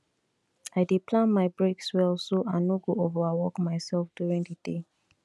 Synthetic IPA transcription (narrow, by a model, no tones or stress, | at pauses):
aɪdepʰlãnmaɪbɹekswɛlsoʔãnoɡoovaawɔkmaɪsɛlfd̥juɹĩŋdəde